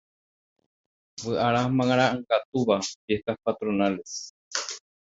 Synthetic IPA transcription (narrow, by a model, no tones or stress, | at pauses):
βɨʔaɾamãŋaɾaɨŋɡat̪uβabehkapat̪ɾonales